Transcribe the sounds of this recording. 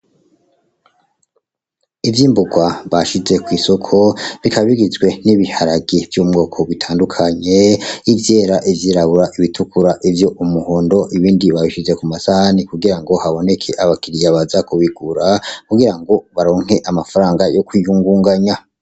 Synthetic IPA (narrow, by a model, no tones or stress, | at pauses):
ivjiːmbuɡwaβaʃize̞kwiːso̞kʰo̞βikaβiɡizɡwe̞niβihaɾaɡivjumŋo̞ːkʰo̞βitʰaːndukʰaɲe̞ivjeːɾaʔivjiɾaβuɾaʔiβitʰukuɾaʔivjo̞ʔumuhoːndo̞ʔiβiːndiβaiʃize̞kumasahanikuɡiɾaŋɡo̞haβo̞ne̞kʰe̞ʔaβakiɾijaβazakuβiɡuɾakuɡiɾaŋɡo̞βaɾo̞ːŋ̥e̞ʔamafaɾaːŋɡajo̞kwiːhuːŋɡuːŋɡaɲa